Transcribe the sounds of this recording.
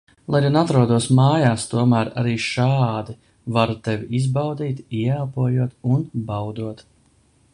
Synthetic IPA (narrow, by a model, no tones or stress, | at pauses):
lˠajjanat̪ɾuɔd̪uɔsmaːjaːst̪uɔmæːɾa̰ɾiːʃaːd̪i | vaɾt̪ɛvʲiizbawd̪iːt̪iɛaːpuɔjuɔt̪unbawd̪uɔt̪